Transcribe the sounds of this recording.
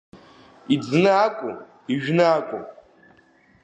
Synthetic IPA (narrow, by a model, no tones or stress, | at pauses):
id͡znɨakʷʼṵ | iʒᶣnɨakʷʼṵ